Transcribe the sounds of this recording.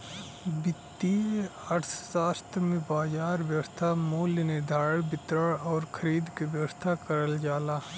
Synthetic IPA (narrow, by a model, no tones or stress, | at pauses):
bɪt̪ːiɐʈssaːst̪ʰɾmẽbaːzaːɾʋjəʋəst̪ʰamuːljənɪd̪ʱaːɾəɽbɪt̪ɾəɽɔːɾkʰəɾiːd̪keʋjəʋəst̪ʰakəɾəld͡ʒaːlaː